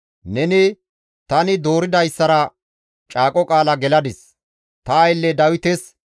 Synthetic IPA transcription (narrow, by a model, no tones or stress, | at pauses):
nɛnɪ | t̪ɐnɪd̪o̞ːɾɪd̪ɐjsːɐɾɐ | t͡ʃʼaːkʼɔkʼaːlɐɡɛlɐd̪ɪs | t̪ɐɐjlːɛd̪ɐwɪt̪ɛs